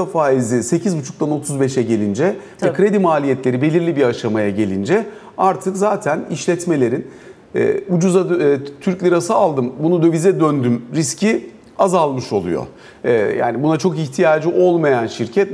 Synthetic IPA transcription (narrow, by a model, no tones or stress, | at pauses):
afaːizise̞cʰizbut͡ʃʰuk̚t̪ʰano̞t̪ʰuzbɛʃɛɟe̞lʲind͡ʒɛvɛkʰɾe̞d̪imaːlʲijɛt̪lʲe̞ɾibe̞lʲiɾlʲibiaʃamajaɟe̞lʲind͡ʒɛ | aɾt̪ʰɯkzaːt̪ʰæniʃlʲɛt̪me̞lʲe̞ɾin | ɛ̰ːud͡ʒuzat̪ʰyɾclʲiɾasɯːlˠd̪ɯmbunud̪øvizɛd̪ønd̪ymɾiscʰi | azalˠmɯʃo̞lˠṵjo̰ | ja̰ːnibunat͡ʃʰo̞kiçt̪ʰijaːd͡ʒiʔo̞lˠmajanʃiɾcʰɛt̪̚